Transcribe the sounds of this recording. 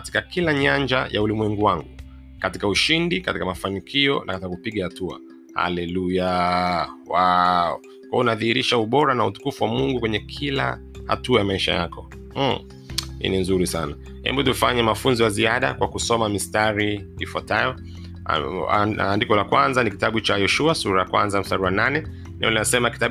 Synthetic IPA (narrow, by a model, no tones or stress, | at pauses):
kati̥kakilaɲaɲd͡ʒa̰jaulimwɛŋɡuwaŋɡu | kati̥kauʃindikatikamafanikʰiɔ̰na̰katikakupiɠahatua̰ | ha̰lɛluja | waɔ̰ | kaunaðihiɾiʃauɓɔɾanautu̥kufuwamuŋɡukwɛɲɛkʰila̰ | ha̰tuajamaiʃa̰ja̰kʰɔ | hḭninzuɾisana | hɛ̰mbutufaɲɛmafunziwaziaɗa̰kwʔakusɔmamistaɾiifwatajɔ̰ | andikɔlakwanzanikitaɓut͡ʃajɔʃuasuɾajakwa̰nzamistaɾiwananɛ | nɛ̰ɔlinasɛmakita